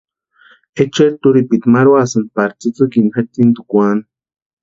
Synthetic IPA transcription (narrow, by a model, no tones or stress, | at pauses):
et͡ʃeɾt̪uɾipit̪maɾwasan̚paɾt͡sit͡sɨkinxet̪ːint̪ukʷan